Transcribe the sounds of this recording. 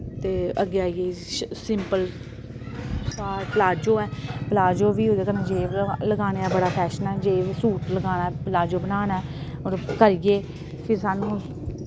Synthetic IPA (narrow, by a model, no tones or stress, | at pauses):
t̪eːəɡːeːaːijeːsɪmpəl | saːpəlaːd͡ʒoːɛːpəlaːd͡ʒoːʋiːoːd̪eːkənẽːd͡ʒeːʋləɡaːneːɛːbəɽaːpʰɛːʃənɛːd͡ʒeːʋsuːʈləɡaːnapəlaːd͡ʒoːbənaːnɛː | ɔːɾkəɾɪjeː | pʰɪɾsaːnũː